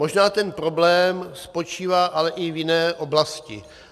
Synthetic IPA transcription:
mo̞ʒnaːt̪ɛnpɾoblɛːmspo̞t͡ʃiːvaːʔalɛʔɪvjɪnɛːʔo̞blascɪ̰

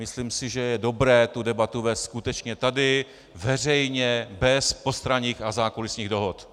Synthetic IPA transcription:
mɪsliːmsɪʒɛjɛdo̞bɾɛːt̪udɛbat̪uvɛːst̪skut̪ɛt͡ʃɲɛt̪adɪ | vɛrɛjɲɛbɛspo̞st̪ɾaɲiːxazaːkolɪsɲiːɣdo̞ɦot̪

